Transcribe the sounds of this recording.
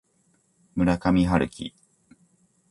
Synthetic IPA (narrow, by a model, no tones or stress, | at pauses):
mɯ̟ɾakamʲiɦaɾɯ̟kʲʰḭ